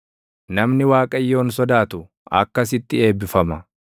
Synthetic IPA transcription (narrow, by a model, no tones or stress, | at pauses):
nɐmnɪwaːkʼɐjːo̞ːnsɔd̪aːt̪ʊ | ɐ̰kːɐs̬ɪt̪ːɪe̞ːbːɪfɐmɐ